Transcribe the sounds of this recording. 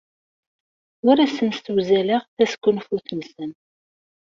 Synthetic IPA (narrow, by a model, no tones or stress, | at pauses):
ʊɾæsənst̪wzæləʁθæskʷːunfuθnsən